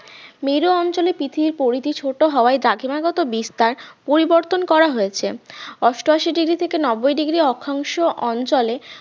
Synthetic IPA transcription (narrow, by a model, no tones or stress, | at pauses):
miɾoɔnt͡ɕolepit̪ʰiɾpoɾit̪it͡ɕʰoʈoɦɔoaed̪ɾaɡʱimaɡɔt̪obist̪aɾpoɾiboɾt̪onkɔɾaɦojet͡ɕʰeɔsʈoaʃiɖiɡɾit̪ʰekenɔbojɖiɡɾiɔkʰaŋʃoʔɔnt͡ɕɔle